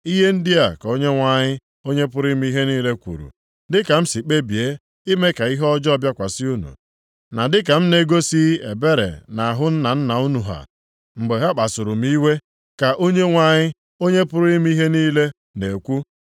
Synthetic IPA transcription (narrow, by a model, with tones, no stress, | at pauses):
i˦ɦe˦n̩˦dɪ˦a˨ka˨o˦ɲe˦ŋʷa˦ɲɪ˦ | o˦ɲe˦p̬ʊ˦ɾi˦mi˦i˦ɦe˦niː˦le˦kʷṵ˨ɾṵ˨ | dɪ˦ka˨m̩˦si˨k͡pe˦bi˨e˦ | i˦me˦ka˨i˦ɦɔ˦d͡ʒɔ˦bja˦kʷa˨sɪ˦u˦nṵ˨ | na˨dɪ˦k̬a˨m̩˦ne˦ɡo˦si˦e˨be˦ɾḛ˨na˨ɦʊ˦n̩˦na˨n̩˦na˨u˦nu˨ɦa̰˨ | ŋ͡m̩˨ɡ͡be˨ɦa˦k͡pa˨sʊ˨ɾʊ˨m̩˦i˦we˦ | ka˨ʔo˦ɲe˦ŋʷa˦˨ɲɪ˦ | o˦ɲe˦pʊ˦ɾi˦m˦i˦ɦe˦niː˦le˦ | ne˨kʷu˦